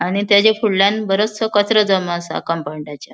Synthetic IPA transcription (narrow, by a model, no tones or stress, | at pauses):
aɽ̃it̪jat͡ɕefuɽljanbəɾot͡ssəkət͡sɾəd͡zəmasa̰kampaɳɖat͡ɕa